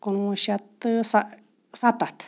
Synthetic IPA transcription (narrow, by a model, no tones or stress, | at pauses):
kunũʃat̪ɨsa | sat̪at̪